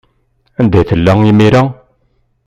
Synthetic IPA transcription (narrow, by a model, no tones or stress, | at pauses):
ænd̪æjθəlːæŋimiɾæ